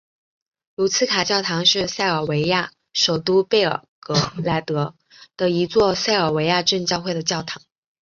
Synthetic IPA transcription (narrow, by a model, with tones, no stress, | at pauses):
lu˧˥t͡sʰɹ̩˥kʰa˨˩t͡ɕjɑ˥˩ʊt̪ʰɑ˧˥ŋʂɻ̩˥˧sa˥˩ɪə˞˨˩we˧˥ɪja˥˩ | ʂo˨˩ʊt̪u˥pe˥˩ɪə̰˞˨˩kɤ˧˥la˧˥ɪt̪ɤ˧˥ | d̪̥ə˧i˧˥t͡swɔ˥˧sa˥˩ɪə˞˨˩we˧˥ɪja˥˧ʈ͡ʂə˥˧nt͡ɕjɑ˥˧ʊxwe˥˩ɪd̪ə˩t͡ɕjɑ˥˩ʊt̪ʰɑ˧˥ŋ